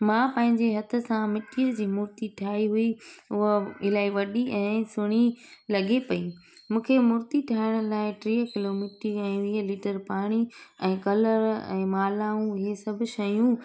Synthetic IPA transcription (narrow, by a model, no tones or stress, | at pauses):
mãːpɐ̃ɦɪ̃ɲd͡ʑeɦɐt̪ʰʊ̆sãmɪʈʰijəɾd͡ʑiːmʊɾt̪iʈʰaːiɦʊiʊɦɪlaːiʋɐɗiʔɛ̃ːsʊɽ̃ilɐɠepɐĩmũːkʰemʊɾt̪iʈʰaːɪɽ̃ʊ̆laːɪʈɾiːkɪlomiːʈiɛ̃ːʋiːɦəlɪːʈəɾpaːɽ̃iɛ̃ːkɐləɾɛ̰̃ːmaːlaːũɪɦesɐbʱʊ̆ʃɐjũ